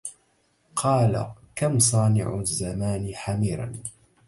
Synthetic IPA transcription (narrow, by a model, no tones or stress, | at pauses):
qʰɑːla̰kamsˤɑːnɪ̰ʕʊzːamaːnħamiːɾˤɑ̰n